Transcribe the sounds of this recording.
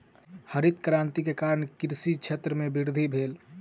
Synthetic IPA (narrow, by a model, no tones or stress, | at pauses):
həɾit̪kɾãːnt̪ikekaɾəɳkiɾsit͡ʃʰet̪ɾəmebiɾd̪ʱibʱeːl